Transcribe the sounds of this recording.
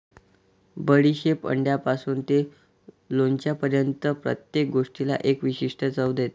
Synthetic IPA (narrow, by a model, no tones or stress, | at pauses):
bəɽiɕepə̰ɳɖjapasuːnt̪e | lont͡ɕjapəɾjənt̪əpɾə̰t̪jek̚ɡoʂʈila̰ʔekʋiɕiʂʈʰət͡səwd̪et̪e